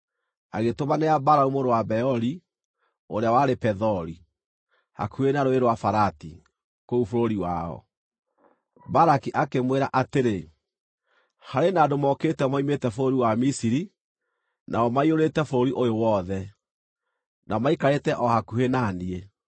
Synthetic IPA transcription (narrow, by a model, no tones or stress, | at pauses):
a̰ɣetomaneabaɾaumoɾowabɛɔɾi | oɾeawaɾepɛðɔɾi | ha̰kuhenaɾoeɾwafaɾatḭ | koufoɾoɾiwa̰ɔ̰ | baɾakiʔakemweɾaʔateɾe | haɾenadomɔketɛmaimetɛfoɾoɾiwamisiɾi | nʔaɔmaioɾetɛfoɾoɾiʔojowɔðɛ | namaikaɾetɛʔɔhakuhenanie